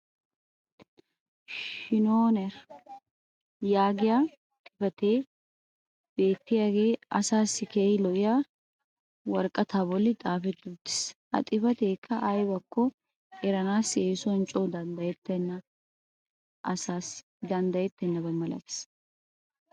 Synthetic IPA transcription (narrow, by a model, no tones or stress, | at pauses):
ʃɪnoːnɛɾ | jaːɡɪja | t̪ʼɪfɐt̪eː | b̥e̞ːt̪ːɪjaɡe̞ːɐsaːsːɪkeːɪlɔʔɪja | wɐɾkʼːɐt̪ʰaːbɔlːɪt̪ʼaːfɛd̪ːut̪ːɪ̥shɐ̰t̪ʼɪfɐt̪e̞ːkʰːɐʔɐjbɐkːɔ | ɛɾɐnaːseːsɔnt͡ʃʼɔːd̪ɐnd̪ɐjɛt̪ːɛnːɐ | ɐsaːs | d̪ɐnd̪ɐjɛt̪ːɛnːɐbɐmːɐlɐ̰t̪ɪ̥s